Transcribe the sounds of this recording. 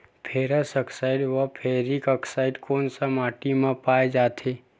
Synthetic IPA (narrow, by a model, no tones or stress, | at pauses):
pʰeːɾəsəksaːɪɖʋəpʰeːɾikəksaːɪɖkoːnsamaːʈimãpaːed͡ʒaːt̪ʰeː